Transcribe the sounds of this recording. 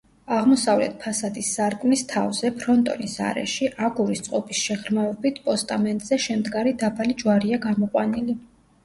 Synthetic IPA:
aʁmɔsavlɛ̰t̪̚ʰpʰasad̪isːaɾkʼmnist̪ʰavzɛpʰɾɔnt̪ʼɔ̰nisa̰ɾɛ̰ʃiʔaɡuɾist̪sʼqʼɔpʰisʃɛʁɾmaɛbit̪ʰpʼɔst̪ʼamɛnt̪ʼz̥ɛʃɛmd̪ɡaɾid̪apʰalid͡ʒwaɾiaɡamɔqʼwanili

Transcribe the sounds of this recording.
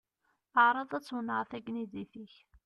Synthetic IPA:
əʕɾˤɑðˤæt͡sːwnəʁθæɡnidiθiç

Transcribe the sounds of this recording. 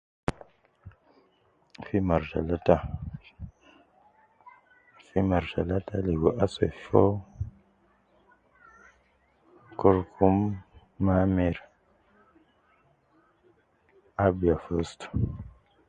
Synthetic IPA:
fimaɾʃa̰lata | fimaɾʃa̰lataleɡoʔaso̰fo | koɾkʰumː | ameɾ | abiafost

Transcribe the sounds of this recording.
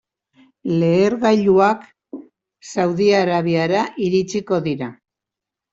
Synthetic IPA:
le̞ːɾɣajʎuak | sawðiaɾaβiaɾaʔiɾit͡siko̞ðiɾa

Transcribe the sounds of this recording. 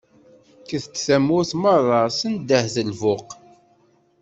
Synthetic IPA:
kəθtːθæmʊθmərˤːɑsənd̪əhzəlvʊq

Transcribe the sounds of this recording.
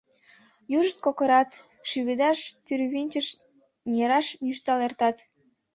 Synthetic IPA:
juʒəʃt̪̚kokəɾɑt̪ | ʃyβed̪ɑʃt̪yɾβinʲt͡ɕəʃ | nʲeɾɑʃnyʃt̪ɑlert̪ɑt̪

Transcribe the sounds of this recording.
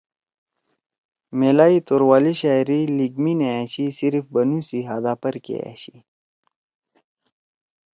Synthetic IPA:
melaːit̪oːɾwaːliɕaːɾiliɡmineaɕisiɾifbɐnusiɦad̪aːpɐɾkḛa̰ɕi

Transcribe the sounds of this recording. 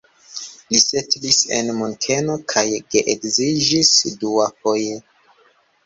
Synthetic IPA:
lise̞tlise̞̰nmontʰe̞no̞kʰajɡeʔekzid͡ʒisduafoje

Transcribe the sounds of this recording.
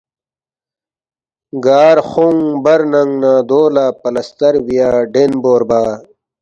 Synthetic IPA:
ɡaːɾxuŋbɐɾnɐŋɡnaːd̪oːlaːpɐlɐst̪ɐɾwijaːɖenboːɾbaː

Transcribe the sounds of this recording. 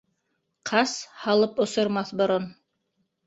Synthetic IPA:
qʰɑshɑlˠɤpŏsŏɾmɑθbŏɾon

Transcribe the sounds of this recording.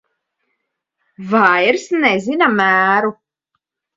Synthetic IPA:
vajɾsnɛzinamæːɾu

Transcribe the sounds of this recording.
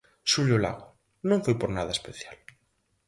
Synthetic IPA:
suʎola̰ɣo | nõŋfojpoɾnað̞ɐespeθjal

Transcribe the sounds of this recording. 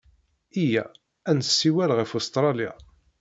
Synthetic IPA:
ijæ̰ | ænsːiwælʁifost̪ɾˤɑlja̰

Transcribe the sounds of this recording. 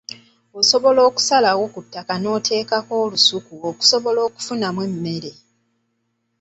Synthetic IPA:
oso̞βo̞lo̞ːku̥salawokutːakano̞ːtʰe̞ːkako̞ːlusukuoku̥so̞βo̞lo̞ːku̥funamwemːe̞ɾe̞

